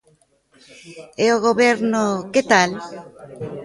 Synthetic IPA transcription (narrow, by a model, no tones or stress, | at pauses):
eoɣoβeɾnoket̪al